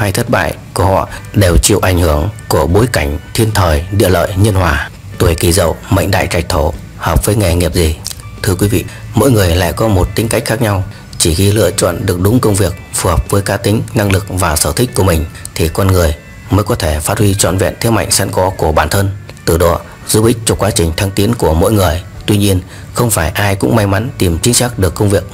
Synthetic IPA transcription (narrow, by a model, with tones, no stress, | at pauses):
ha˧jt̪ʰə˦˥t̚ɓa̰ː˧˨jku˧˩əhɔ̰˧˨ɗe˨˩wt͡ɕḭ˧˨wʔa˨˧˩jŋhɨ˧˩əŋku˧˩əɓo˨˦jka˧˩jŋ̟t̪ʰi˧ənt̪ʰəː˨˩jɗḭ˧˨ələ̰ː˧˨jɲə˧nhwaː˨˩ | t̪u˨˧˩jki˧˩zə̰˧˨wmə̰˧˨jŋ̟ɗa̰ː˧˨jt͡ɕa˨˩jk̟̚t̪ʰo˧˩ | həː˨˩p̚vəː˨˦jŋɛ˨˩ŋi˨˩əp̚zi˨˩ | t̪ʰɨ˧əkwi˨˦vḭ˧˨mo̰˧˨jŋɨ˨˩əjla̰ː˧˨jkɔ˨˦mo˨˩t̚t̪i˨˦ŋ̟ka˦˥jk̟̚xaː˦˥k̚ɲa˧w | t͡ɕi˧˩ɣi˧lɨ̰˧˨ət͡ɕɔ̰˧˨nɗɨ˨˩ək̚ɗʊ˨˦ŋ͡mkə˧wŋ͡mvi˨˩ək̚fu˨˩həː˨˩p̚vəː˨˦jkaː˦˥k̚t̪ï˨˦ŋ̟na˧ŋlɨ˨˩k̚vaː˨˩səː˧˩t̪ʰï˦˥k̟̚ku˧˩əmï˨˩ŋ̟ | t̪ʰi˨˩kwa˧nŋɨ˨˩əj | məː˨˦jkɔ˨˦t̪ʰe˧˩faː˦˥t̚hwi˧t͡ɕɔ̰˧˨nvɛ̰˧˨nt̪ʰi˨˦ma̰˧˨jŋ̟sɛ̰˧˥nkɔ˨˦ku˧˩əɓaː˧˩nt̪ʰə˧nt̪ɨ˧˩ɗɔ̰˧˩ | zu˧˦ɓï˦˥k̟̚t͡ɕɔ˧kwaː˨˦t͡ɕï˨˩ŋ̟t̪ʰa˧ŋt̪i˨˦ənku˧˩əmo̰˧˥˨jŋɨ˨˩əjt̪wi˧ɲi˧ən | xə˧wŋ͡mfaː˧˩jʔaː˧jkʊ̰˧˥ŋ͡mma˧jma˨˦nt̪i˨˩mt͡ɕï˨˦ŋ̟sa˦˥k̚ɗɨ˨˩əkːə˧wŋ͡mvi˨˩ək̚